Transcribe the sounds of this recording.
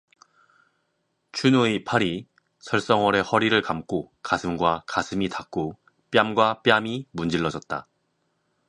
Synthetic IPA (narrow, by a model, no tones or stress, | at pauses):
t͡ɕʰunoipʰaɾi | sʰʌɭs͈ʌŋwʌɾe̞hʌɾiɾɯɭkamk͈okasʰɯmɡwakasʰɯmitak̚k͈o | p͈jamɡwap͈jamimund͡ʑiɭːʌd͡ʑʌt̚t͈a̰